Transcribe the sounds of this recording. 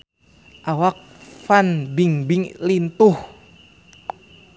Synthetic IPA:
ʔawak̚ | fanbiŋbiŋlint̪uh

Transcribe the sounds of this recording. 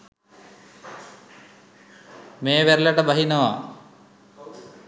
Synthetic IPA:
meːʋeɾlɐʈəbɐɦinɐʋa̰

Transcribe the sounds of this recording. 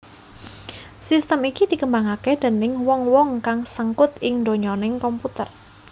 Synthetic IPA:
sist̪əmikid̪̥i̤kəmbaŋakɛd̪̥ə̤nɪŋwɔŋwɔŋkaŋsəŋkʊt̪ɪŋd̪o̤ɲɔnɪŋkɔmput̪ər

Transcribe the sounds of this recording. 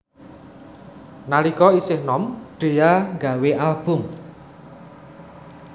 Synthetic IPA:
nalikɔisɪhnɔmɖ̥e̤aŋɡa̤weʔalb̥ʊm

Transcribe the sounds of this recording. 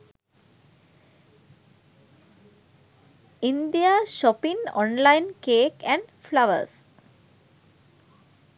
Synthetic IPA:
ĩnd̪iaʃɔpĩŋɔ̰̃nlaɪnkeːkɛ̃ɳɖflaʋə̰ɾs

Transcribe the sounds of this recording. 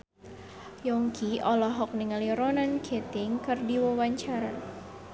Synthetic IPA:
jɔŋkʰiʔɔlɔɦɔk̚niŋaliɾɔnankʰɛt̪ɪŋkɨrdiwɔwaɲt͡ʃaɾa

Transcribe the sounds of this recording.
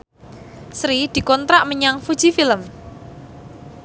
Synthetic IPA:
sɾid̪̥i̤kɔnt̪ɾaʔməɲaŋfud̥ʒ̥ifiləm

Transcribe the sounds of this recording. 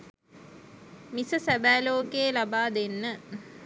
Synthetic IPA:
misəsæbæːloːkeːlabaːd̪enːə

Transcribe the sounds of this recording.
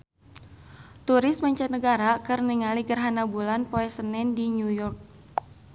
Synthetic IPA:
t̪uɾɪst̚maɲt͡ʃat̪nəɡaɾakɨrniŋaliɡərɦanabulanpoɛsənɛndiɲujɔrk̚

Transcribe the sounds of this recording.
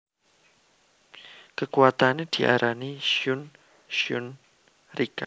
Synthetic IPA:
kəkuat̪aned̪̥i̤ʔa̰ɾaniʃjʊn | ʃʊn | rika

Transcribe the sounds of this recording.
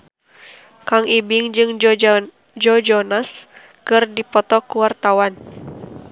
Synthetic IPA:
kaŋibiŋd͡ʒɨŋ | d͡ʒɔd͡ʒɔnas | kɨrdipɔt̪ɔkuwart̪awan

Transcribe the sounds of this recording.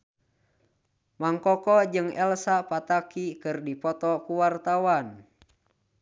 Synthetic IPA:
maŋkɔkɔd͡ʒɨŋɛlsapat̪akikɨrdipɔt̪ɔkuwart̪awan

